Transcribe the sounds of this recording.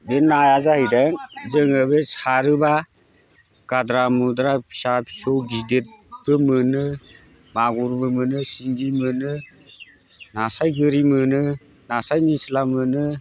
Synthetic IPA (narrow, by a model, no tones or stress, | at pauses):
benːajazahɯjdaŋzɯŋɯbesaɾɯba | kadɾamudɾasapsowɡidet̚b̥ɯmɯnɯ | maɡuɾbɯmɯnɯsiŋɡimɯnɯ | nasajɡɯɾimɯnɯ | nasajnisilamɯnɯ